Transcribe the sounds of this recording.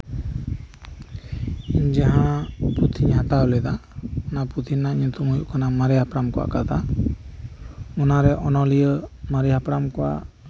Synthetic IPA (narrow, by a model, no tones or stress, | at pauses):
iɲd͡ʒaɦãput̪ʰiɲhãt̪aɔlɛd̪aɔnaput̪ʰiɲnːaiɲt̪ʰɔmujṵʔkʰanamaɾiɦapɾamkɔwa̰kat̪ʰa | ɔnaɾɛʔɔnɔlijəmaɾiɦapɾamkɔwa̰ʔ